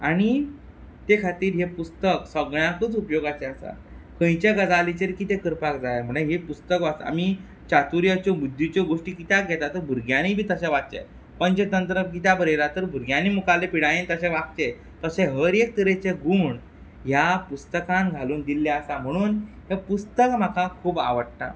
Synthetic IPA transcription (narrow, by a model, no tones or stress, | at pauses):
aɽ̃i | t̪ekʰat̪iːɾɦepust̪əksəɡɳjakuːt͡supjoɡat͡ɕeəsa̰ | kə̃j̃t͡ɕeɡəd͡zalit͡ɕeɾkiːt̪ekəɾpakd͡zajam̤əɳ̃eɦepust̪əkʋaa̰mi | t͡ɕat̪uɾjət͡ɕobud̪ʱːit͡ɕoɡoʂʈiːkit̪aɡɛt̪at̪ːəɾbʱuɾɡjañibʱiːt̪əɕɛʋaʈ̚t͡ɕḛ | pəɳt͡ɕet̪ənt̪ɾəkit̪abəɾelat̪əɾbʱuɾɡjanimukalepiɽajĩnt̪əɕɛʋak̚t͡ɕe | t̪əɕẽɦəɾek̚t̪əɾet͡ɕeɡuːɳ | ɦjapust̪əkãnɡʱaluːnd̪ilːaəsam̤əɽ̃uːn | ɦepust̪əkm̤akakʰuːbaʋəɽʈ̪a̰